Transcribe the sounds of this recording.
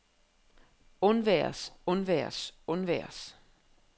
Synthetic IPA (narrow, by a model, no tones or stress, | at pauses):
ɔnʋɛɐ̰sɔnʋɛ̰ɐsɔnʋɛ̰ɐ̰s